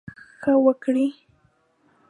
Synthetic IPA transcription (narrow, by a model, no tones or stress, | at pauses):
xawakɽi